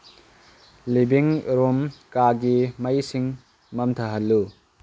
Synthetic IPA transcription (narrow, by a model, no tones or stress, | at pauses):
libiŋɾomkaɡimɐjsiŋ | mɐmtʰɐɦɐlːu